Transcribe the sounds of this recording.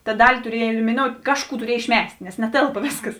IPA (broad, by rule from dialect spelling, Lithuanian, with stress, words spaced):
tɐ ˈdɑːlʲɪ tʊˈrʲiɛj ɛlʲɪmʲɪˈnoːʊtʲ ˈkɑːʃˌkuː tʊˈrʲiɛj ɪʃʲˈmʲɛsʲtʲ nʲɛs nʲɛˈtʲeːlˠpɐ ˈʋʲeːsˌkɐs